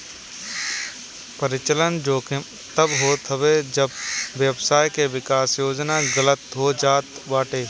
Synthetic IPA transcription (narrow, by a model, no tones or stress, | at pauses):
pəɾɪt͡ʃələnd͡ʒoːke | t̪əbɦoːt̪ʰɦəʋed͡ʒəbʋjəbsaːjkeʋɪkaːsjoːd͡ʒnaɡələt̪ɦoːd͡ʒaːt̪ʋaːʈeː